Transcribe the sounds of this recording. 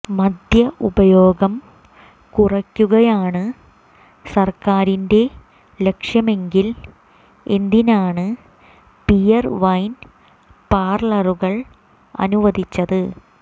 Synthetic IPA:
mɐd̪ʱjɐʔubɐjo̞ːɡɐm | kurɐkʲːuɣɐjaːɳɨ | sɐrkaːɾinde̞ | le̞kʂjɐme̞ŋɡil | end̪inaːɳɨ | pijɐrʋɐjn | paːrlɐruɣɐɭ | ɐ̰nuʋɐd̪it͡ɕːɐðɨ

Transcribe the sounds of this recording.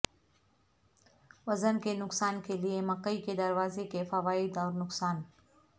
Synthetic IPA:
ʋɐzənkenʊksaːnkelijemɐqəiked̪əɾʋaːzekefɐʋaːid̪ɔːɾnʊksaːn

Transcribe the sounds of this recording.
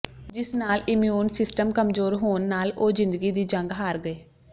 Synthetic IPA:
d͡ʒɪsnaːlɪmjuːnsɪsʈəmkəmzoːɾɦoːnːaːloːzɪ̃nd̪əɡiːd̪iːd͡ʒəŋɡɦaːɾɡəeː

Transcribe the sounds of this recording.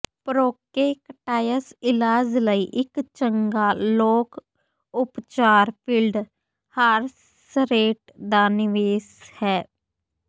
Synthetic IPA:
pɾoːkeːkʈaːjəsɪlaːd͡ʒləiːʔɪkt͡ʃəŋɡaːloːk | ʊpt͡ʃaːɾpʰiːlɖ | haːɾ | sɾeːʈd̪aːnɪʋeːshɛː

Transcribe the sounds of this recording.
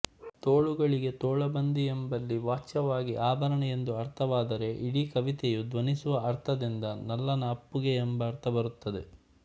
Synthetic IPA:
t̪oːɭuɡɐɭiɡe̞t̪oːɭɐbɐnd̪iembɐlːiʋaːt͡ʃːɐʋaːɡiʔaːbʱɐɾɐɳɐje̞nd̪uɐɾt̪ʰɐʋaːd̪ɐɾe̞ʔiɽikɐʋit̪ɛjud̪ʋɐnisuʋɐɐɾt̪ʰɐd̪ind̪ɐnɐlːɐnɐːpːuɡeːmbɐːɾt̪ʰɐbɐɾut̪ːɐd̪e̞

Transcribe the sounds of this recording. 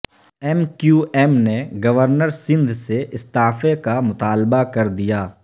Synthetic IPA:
ɛːmkjuːʔɛːmneɡɐʋəɾnəɾsɪ̃nd̪ʱseɪst̪aːfekamʊt̪aːlbakɐɾd̪ijaː

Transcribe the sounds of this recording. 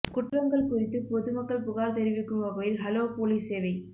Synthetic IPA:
kʊʈrɐŋɡɐɭkʊrɪt̪ːɯpɔðɯmɐkːɐɭpʊɣaːɾt̪ɛɾɪʋɪkːɯmʋɐɣɐjɪlɦɐloːpoːliseːʋɐɪ

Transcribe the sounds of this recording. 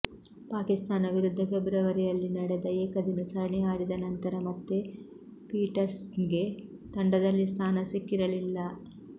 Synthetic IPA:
paːkist̪aːnɐʋiɾud̪ʱːɐpʰebɾɐʋɐɾijɐlːinɐɽed̪ɐeːkɐd̪inɐsɐɾɐɳɛjaːɽid̪ɐnɐnt̪ɐɾɐmɐt̪ːe | piːʈɐɾsnɡe̞ | t̪ɐɳɖɐd̪ɐlːist̪ʰaːnɐsikːiɾɐlilːɐ

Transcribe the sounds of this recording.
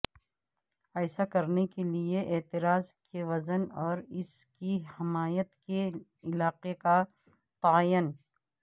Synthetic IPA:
ɛːsakɐɾnekelieʔeːt̪ɪɾaːzkeʋɐzənɔːɾɪskihɪmaːjət̪ke | ɪlaːqeka | t̪aːjən

